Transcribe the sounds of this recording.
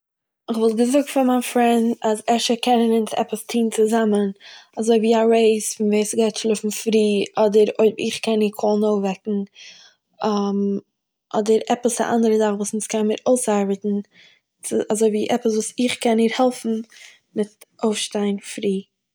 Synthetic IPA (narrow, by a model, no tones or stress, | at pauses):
ɪχvɔlˠt̚ɡəzʊk̚tfɪnmaɪnfɾɛndazɛʃəkʰɛnənɪnsɛ̰pəstʰiːnt͡sɪzamənazoɪviːaɾeɪsfɪnveɪsɡaɪtʃlˠʊfn̩fɾiːɔdəɾoɪɪχkɛniːkʰɔlˠnoʊfvɛkŋ̩ | am | ʔɔdəɾɛpəsa̰ʔa̰ndəɾəzaχvuːsnskʰanmɪɾoʊsaɾbətn̩ | t͡sɪazoɪviːʔɛpəs̬vuːsɪχkɛniːɾhɛlˠfn̩ | mɪtʔoʊfʃtaɪnfɾiː